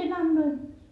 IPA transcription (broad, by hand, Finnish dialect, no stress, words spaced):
sen ɑnːoi